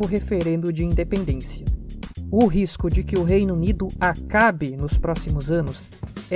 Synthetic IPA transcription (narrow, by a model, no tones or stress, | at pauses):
ʊɦefeɾẽnd̪ʊ̃d͡ʒɪĩnd̪epẽnd̪ẽsiɐʊɦiskʊd͡ʒɪkɪʊɦejnunid̪ʊakabɪnʊspɾɔsimʊzɐ̃nʊs